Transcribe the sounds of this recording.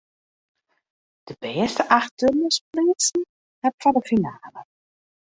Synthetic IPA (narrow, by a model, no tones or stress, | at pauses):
d̥əbɛːstəʔaxtørməsplisn̩ | ɛpfɔndəfinaːlə